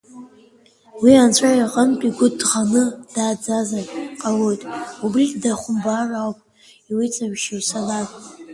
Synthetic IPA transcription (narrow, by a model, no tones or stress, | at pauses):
wiant͡ɕʷʰaiqʼəntʼiɡʷʊdʁanɨd̥aːd͡zazaqʼalo̞jtʼubriddaχʷʊmbarawpʼ | iwit͡sʼamʃisalakʼ